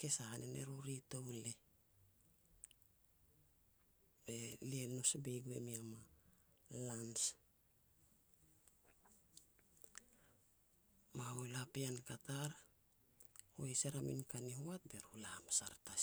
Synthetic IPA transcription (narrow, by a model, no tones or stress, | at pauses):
ke̞sahanʔenḛɾuɾito̞wle | be̞lienosbejɡue̞̰miama | lans | maojlapiankataɾ | oeseɾamḭnkaniɦoat̚be̞ɾulamasaɾta